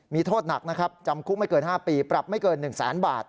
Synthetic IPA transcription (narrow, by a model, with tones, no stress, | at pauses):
miː˧t̪ʰoː˥˩t̪̚na˨˩k̚na˦˥kʰɾa˦˥p̚t͡ɕa˧mkʰu˦˥ma˥˩jkɤː˧nhɦaː˥˩piː˧pɾa˨˩p̚ma˥˩jkɤː˧nːɯ˨˩ŋsɛ̰ː˩˦nbaː˨˩t̪̚